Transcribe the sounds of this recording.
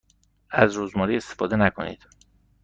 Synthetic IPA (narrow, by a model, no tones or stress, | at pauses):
æzɾuːzmɒːɾiːe̞st̪ʰefɒːd̪e̞nækʰo̞̰nḭːd̪̥